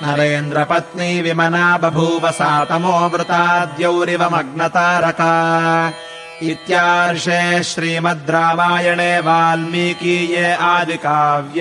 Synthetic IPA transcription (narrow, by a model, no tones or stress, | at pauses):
nɐɾeːnd̪ɾɐpɐt̪niʋimɐnaːbɐbʱuʋɐsaːt̪ɐmoːɐmɾʊt̪aːd̪jɐwɾiʋɐmɐɡɳɐt̪aːɾɐkɐ | it̪jaːɾʂeːʃɾiːmɐd̪ɾaːʋaːjɐɳeːʋaːlmiːkiːjeːaːd̪ʱikaːʋjɐ